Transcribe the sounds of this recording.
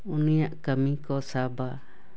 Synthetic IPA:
unĩjãʔkamĩkosaba

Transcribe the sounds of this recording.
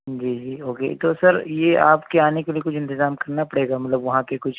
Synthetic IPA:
d͡ʒiːd͡ʒiːoːkḛt̪osɐɾjea̰ːpkeaːnekelijekʊt͡ʃʰɪ̃nt̪ɪzaːmkɐɾnapɐɽeːɡamɐt̪ləbʋɐɦãpekʊt͡ʃʰ

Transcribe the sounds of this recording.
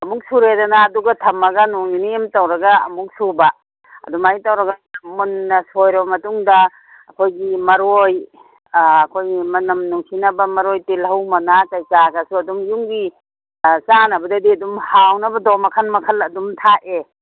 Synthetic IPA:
ɐmuk̚suɾedɐnaːduɡɐtʰɐmɐɡɐnuŋniniemtawɾɐɡaɐ̰muk̚suba | ɐ̰dumajitɐwɾɐɡɐmunːɐsojɾɐbɐmɐtuŋdɐː | kʰojɡimɐɾoj | ɐkʰojimɐnɐmnuŋsinɐbɐmɐɾojtilhɐwmɐnakajkaɡɐsuɐdumjuŋɡi | t͡ʃanɐbɐdɐdiɐdumhawnɐbɐdɔmɐkʰanmɐkʰɐlɐdumtʰaʔe

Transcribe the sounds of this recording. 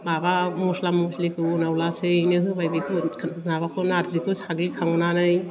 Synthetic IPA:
babamuslamuslikʰɯnawlasɯjnɯɦɯbajbekʰɯnaβakʰɯnaɾzikʰɯsaɡlikʰaŋnanɯj

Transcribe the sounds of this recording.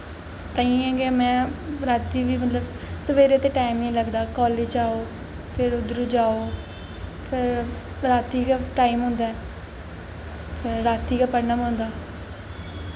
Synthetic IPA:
t̪ə̃ĩːɛ̃ːɡeːmɛ̃ːɾaːt̪iːʋiːmət̪ləb | səʋeːɾeːt̪eːʈaːimnĩːləɡd̪aːkɔːleːd͡ʒaːoː | pʰɪɾʊd̪ɾũːd͡ʒaːoː | pʰɪɾ | ɾaːt̪iːkaʈaːimɦʊ̃nd̪aːɛː | pʰɪɾːaːt̪iːkaːpəɳəmɦõːnd̪aː

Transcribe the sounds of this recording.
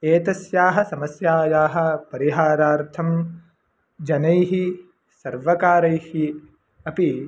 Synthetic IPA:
eːt̪ɐsjaːɦɐ̆sɐmɐsjaːjaːɦɐ̆pɐɾiɦaːɾaːɾt̪ʰɐm | d͡ʒɐnɐjɦi | sɐɾʋɐkaːɾɐjhi | ɐpi

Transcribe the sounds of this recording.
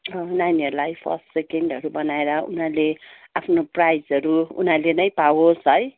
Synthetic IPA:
ʌnaniʌɾulajpʰʌ̰rsʈsekeɳɖɦʌɾubʌnaeɾʌṵnaleapʰnoprajd͡zʌɾuṵnalenʌjpawosɦʌj

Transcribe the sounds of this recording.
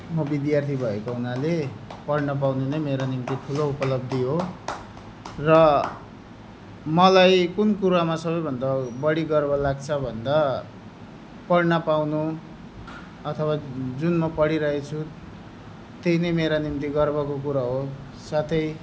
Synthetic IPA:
mʌbid̪jart̪ʰibʱʌekounalepʌɽnʌp̬awnenʌjmeɾanimt̪iʈʰuloupʌlʌb̚d̪iɦo | rʌ | mʌlajkunkuɾamasʌβʌjbʱʌnd̪abʌɽiɡʌrbʌlaɡ̚t͡sʰʌbʱʌnd̪a | pʌɽnʌpawnu | ʌt̪ʰʌwad͡zunmʌpʌɽiɾʌɦet͡sʰu | t̪ejnʌjmeɾanimt̪̬iɡʌrbʌkokuɾaɦo | sat̪ʰʌj

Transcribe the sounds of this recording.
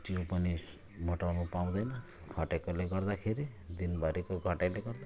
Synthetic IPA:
t͡ʃiũpani | mɔʈawnupaũd̪ajla | ɡʰʱɔʈakɔleɡɔɾd̪akʰeɾid̪inbaɾikɔɡʱɔʈaleɡɔɾd̪a

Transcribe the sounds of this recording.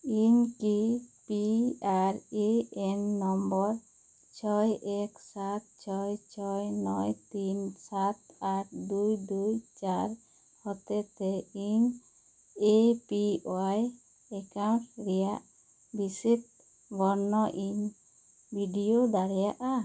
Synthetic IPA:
iɲkipiaɾeɛnːɔmbɔɾ | t͡ʃʰɔjɛksat̪̚t͡ʃʰɔjt͡ʃʰɔjnɔjt̪insat̪aɾd̪ujd̪ujt͡ʃaɾ | hɔt̪ɛt̪ɛiɲ | epioaj | ɛkaw̃ʈɾɛjaʔ | bisit̪̚ | bɔɾnɔʔiɲ | bʱiɖijod̪aɾɛjaʔa

